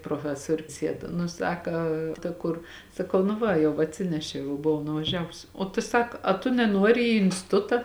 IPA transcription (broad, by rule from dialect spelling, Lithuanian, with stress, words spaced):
proːˈfʲæːsoːrʲʊs ˈsʲiɛt nʊ ˈsɑːkɐ tɐ ˈkʊr sɐˈkɐʊ nʊ ˈʋɐ jɛʊ ɐtʲˈsʲɪnʲɛʃʲɛʊ jɛʊ bʊˈʋɐʊ nʊʋɐˈʒʲæːʋʊs oː tʊ ˈsɐk ɐ tʊ nʲɛˈnuɔrʲɪ iː ɪnʲsʲtʲɪˈtʊtɐ